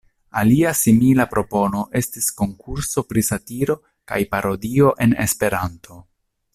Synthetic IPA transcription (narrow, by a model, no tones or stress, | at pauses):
aliasimilapɾo̞po̞no̞ʔe̞stisko̞ŋkuɾso̞pɾisatiɾo̞ | ka̰jpaɾo̞dio̞ʔe̞ne̞̰spe̞ɾantʰo̞